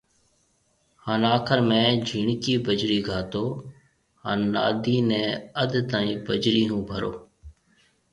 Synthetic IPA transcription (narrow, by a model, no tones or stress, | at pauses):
haːnaːkʰəɾmɛ̃ːd͡ʒʱiːɳkiːbəd͡ʒɾiːɡʱaːt̪oː | ɦa̰ːnːa̰ːd̪iːnɛ̃ːəd̪t̪ãːĩːbəd͡ʒɾiːɦũːbʱəɾo̰ː